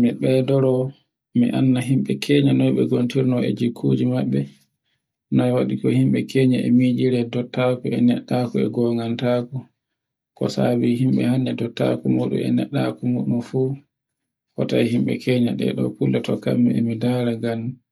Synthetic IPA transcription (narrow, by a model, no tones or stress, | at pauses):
miɓɛdɔɾɔ | miʔanːaɦimɓɛkʰɛɲanɔjɓɛɡontiɾnɔɛ̰d͡ʒikʰːud͡ʒimaɓːɛ | nɔwaɗikɔhimɓɛkʰɛɲaɛmid͡ʒiɾɛdɔtːakuɛnɛɗːakɔɛɡɔŋɡantaku | kɔsa̰biɦimɓɛ̰haɲːɛdɔtːa̰kumuːɗṵmɛ̰nɛɗːakumuːɗumfu | hɔtajihimɓɛ̰kʰɛɲaɗɛ̰ɗɔ̰pulːɛtɔka̰mːɛɛmidaːɾaɡan